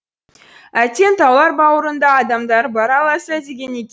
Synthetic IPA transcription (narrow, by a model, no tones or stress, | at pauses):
æt̪ʲe̞nt̪ʰɑlˠɑɾbɑwəɾənd̪ɑːd̪ɑmd̪ɑɾbɑɾɑlˠɑsɑd̪e̞ɡʲe̞ne̞kʲe